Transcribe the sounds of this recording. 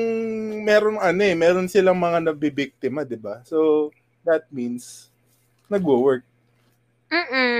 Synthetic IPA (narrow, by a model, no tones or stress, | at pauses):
ŋmɛːɾonɐnoɛmɛːɾo̞nsɪlɐŋmɐŋanɐɡ̚bibɪk̚t̪ɪmad̪ɪbaso | d̪ɐt̪̚mins | nɐɡowɛɹk̚ | m̩ː